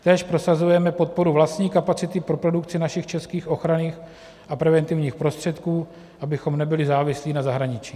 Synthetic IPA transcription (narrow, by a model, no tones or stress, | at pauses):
t̪ɛːʃpɾo̞sazujɛmɛpo̞t̪̚po̞ɾuvlast̪ɲiːkapat͡sɪt̪ɪpɾo̞pɾo̞dukt͡sɪnaʃɪxt͡ʃɛskiːxʔo̞xɾaniːx | ʔapɾɛvɛnt̪ɪvɲiːxpɾo̞st̪r̝̥ɛt̪kuː | ʔabɪxo̞mnɛbɪlɪzaːvɪsliːnazaɦɾaɲɪt͡ʃiː